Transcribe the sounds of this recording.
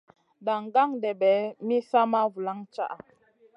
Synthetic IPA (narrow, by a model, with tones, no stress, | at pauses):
da˨ŋ˨ɡa˦ŋdɛ˨bɛ˨˦mi˦sa˦ma˦vu˨la˦ŋt͡ʃa̰˦ʔa˨